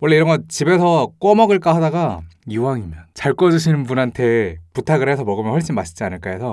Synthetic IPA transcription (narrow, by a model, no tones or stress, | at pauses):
wʌɭːe̞iɾʌnŋɡʌtt͡ɕibe̞sʰʌk͈ʌmʌɡɯɭk͈aɦadaɡajuwaŋimjʌnt͡ɕaɭk͈ʌd͡ʑɯɕʰinɯnpunɦantʰe̞putʰaɡɯɾe̞sʰʌmʌɡɯmjʌnɸwʌɭɕ͈inmaɕʰi̥d͡ʑianɯɭk͈aesʰʌ